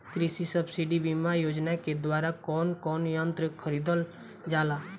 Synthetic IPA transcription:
kɾisisəbsiɖibimajoːd͡ʒnaked̪waːɾakɔːnkɔːnjənt̪ɾəkʰəɾiːd̪əl | d͡ʒaːlaː

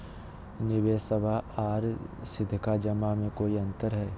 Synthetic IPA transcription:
nɪʋeːsəbʱaaːɾsɪd̪ʱkad͡ʒɐmamẽkoːiɐ̃nt̪əɾɦɛː

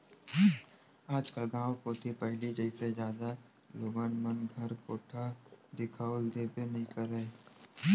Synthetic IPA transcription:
aːd͡ʒkaɡãːwkot̪ʰipɛɦlid͡ʒəised͡ʒjaːd̪a | loːɡənmənɡʱɐɾkoːʈʰad̪ɪkʰaʊld̪eːbenɐɦĩkəɾəe

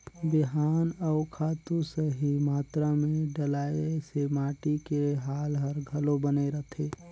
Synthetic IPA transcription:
bɪɦaːnɔʊkʰaːt̪useɦimaːt̪ɾamẽɖəlaːesemaːʈikeɦaːlɦəɾɡʱəlobəneɾət̪ʰeː

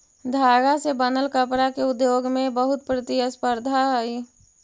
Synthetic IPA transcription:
d̪ʱaːɡasebənəlkəpɾakeʊd̪joːɡmẽbəɦʊt̪̚pɾət̪iəspəɾd̪ʱaɦi

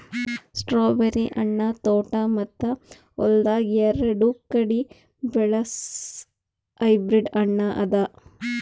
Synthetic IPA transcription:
sʈɾoːbɐɾiʔɐɳːɐt̪oːʈɐmɐt̪ːɐ | ɔ̰ld̪aːɡiɐɾɐɽukɐɽi | bɛɭɐs | ɐjbɾiɖɐɳːɐʔɐd̪ɐ

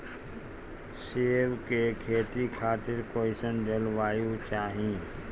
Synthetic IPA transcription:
seːʋkekʰeːt̪ikʰaːt̪ɪɾkoːɪsənd͡ʒəlʋaːjũt͡ʃaːɦĩ

